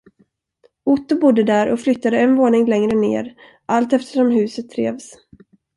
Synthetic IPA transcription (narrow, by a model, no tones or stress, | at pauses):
ʊt̪ːʊbʊd̪ːəd̪æːɾʔɔflʏt̪ːad̪əɛnvoːɳɪŋlɛŋɾənḛːɾ | ʔalt̪ɛft̪ə̥ʂɔmɦʉ̟ːsət̪ʰːɾḛːvs